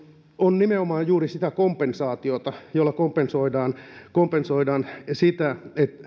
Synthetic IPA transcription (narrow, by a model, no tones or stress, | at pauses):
onnimeomɑːjjuːrisit̪ækompensɑːt̪iot̪ɑjolːɑkompensoidɑːnkompensoidɑːnsit̪æet̪